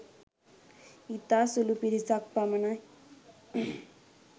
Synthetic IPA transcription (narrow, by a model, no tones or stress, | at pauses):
it̪asulupiɾit͡sak̚pamɐna